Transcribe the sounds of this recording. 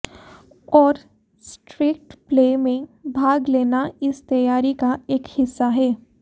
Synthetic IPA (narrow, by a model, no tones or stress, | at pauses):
ɔːɾ | sʈɾiːkʈpleːmẽbʱaːɡleːnaɪst̪ɐjaːɾikaeːkhɪsːaɦɛː